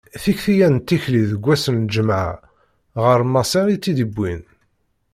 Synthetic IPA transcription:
θiçθijænt̪ːiçliðəɡʷːæsənd͡ʒəmʕ̰ | ʁəɾmæsiɾit͡sːid̪əbːin

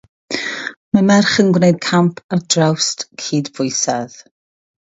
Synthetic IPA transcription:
mamɛrχənɡwnejd̚kʰampʰardrawstkʰiːdvʊɨsað

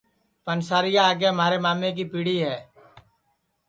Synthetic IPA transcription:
pənsaːɾɪjaːɡeːm̤aːɾemaːmek̬ipiːɽiːɦɛː

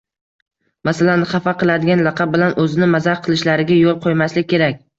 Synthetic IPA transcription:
masalanχɑfaqɨlˠad̪ɪɡʲanlɑqʰɑb̚bɪlanɵzɪnɪmazaɾqʰɨlˠɪʃlaɾɪɡʲajolˠqʰojmaslɪk̚ʲʰːe̞ɾakʲ

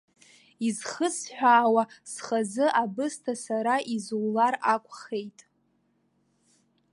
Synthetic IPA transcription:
izχəsħʷᶣaːwasχazɨʔabɨstʰasaɾaʔizuwlarakʷʼχe̞jtʼ

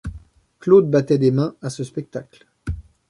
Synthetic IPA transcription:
klod̪̚bat̪ɛd̪emɛ̃asəspɛk̚t̪akl

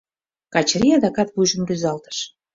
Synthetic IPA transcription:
kɑt͡ɕɾʲiɑd̪ɑkɑt̪βujʒə̆mryzɑlt̪ə̥ʃ

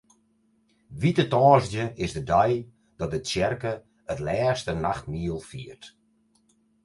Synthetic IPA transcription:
ʋitətɔːzdjəʔɪzdədɔj | d̥ɔt̚əsjɛrkə | ətlɛːstənaxtmiəlˠfiərt

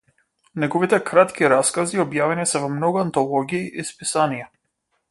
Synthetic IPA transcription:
nɛɡɔvit̪ɛkɾat̪kiɾaskaziɔbjavɛnisɛvɔmnɔɡuant̪ɔlˠɔɡʲiːʔispisanija

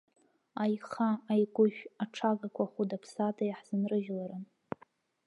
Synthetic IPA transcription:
ajχaːjɡʷʊʃᶣaʈ͡ʂʰaɡakʷʰaχudapʰsatʰʼajħz̥ɨnrɨʒlaɾɨn

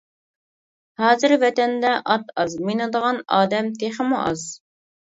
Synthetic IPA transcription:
hɑːzɨɾvɛt̪ɛnd̪ɛʔɑt̪ʰɑzminɨd̪əʁɑnɑːd̪ɛmt̪ʰeχəmṵʔɑz

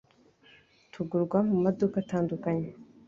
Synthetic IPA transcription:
tʰuɡuɾɡwamumadukataːndukaɲe

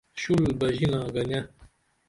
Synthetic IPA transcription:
ɕulbɐʑinaːɡɐnʲɐ

